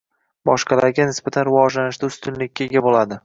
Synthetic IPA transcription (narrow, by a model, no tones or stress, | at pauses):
bɒʃqʰɑlaɾɡʲanɪsbat̪ʰanɾɪvɒd͡ʒlanɪʃd̪aʊst̪ʊnlɪkʲːaeɡʲabolad̪ɪ